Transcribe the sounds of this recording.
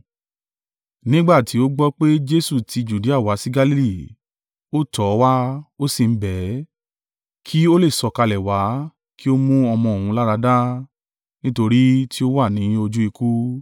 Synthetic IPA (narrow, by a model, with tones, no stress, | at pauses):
nĩ˦ɡ͡ba˦˨ti˨˦o˦ɡ͡bɔ˦k͡pe˦d͡ʒe˦su˦˨ti˨˧d͡ʒu˨di˦a˦˨wa˨˦si˦ɡa˧li˦li˦˨ | o˦tɔ˨˦wa˦o˦sĩ˨m̩˦bɛ˨˦ | kʰi˦o˦le˦˨sɔ˧˨ka˧lɛ˨wa˨˦ | ki˦o˦mũ˦ɔ˧mɔ̃˧o˨hũ˧˦la˦ɾa˧da˦ | nĩ˦to˧ɾi˦tʰi˦o˦wa˦˨nĩ˨˦o˧d͡ʒu˦i˧ku˦